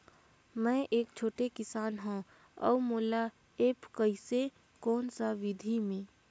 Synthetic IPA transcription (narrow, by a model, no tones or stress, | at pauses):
mɛ̃ːʔeːk̚t͡ʃʰoːʈekɪsaːnɦõ | ɔ̰ːmoːla | eːpkəise | kɔːnsaʋɪd̪ʱimẽː